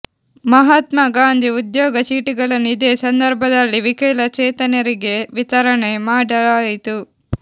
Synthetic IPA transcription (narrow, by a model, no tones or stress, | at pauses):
mɐɦɐt̪mɐɡaːnd̪ʱiud̪jɔːɡɐt͡ʃiːʈiɡɐɭɐnːuid̪e̞ːsɐnd̪ɐɾbʱɐd̪ɐlːiʋikɐjlɐt͡ʃɛːt̪ɐnɐɾiɡe̞ʋit̪ɐɾɐɳemaːɖɐlaːjit̪u